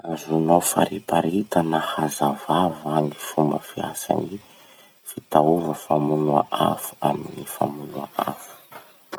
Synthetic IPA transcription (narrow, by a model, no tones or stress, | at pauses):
azunofa̰ɾipaɾit̪ənahazavavaŋifumbəfia̰sa̰ni | fit̪auvəfamunua̰ʔa̰fu̥aminifa̰munuaʔa̰fu̥